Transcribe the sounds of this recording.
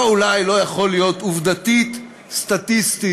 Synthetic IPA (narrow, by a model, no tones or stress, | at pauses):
ulajlo̞jaχo̞lijo̞t̪uvd̪at̪it̪ | st̪at̪ist̪i